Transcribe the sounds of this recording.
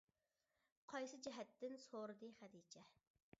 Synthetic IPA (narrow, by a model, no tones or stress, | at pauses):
qʰɑjsɨd͡ʒɛɦɛt̪ːɪnsoɾɨd̪ɨχæd̪it͡ʃʰɛ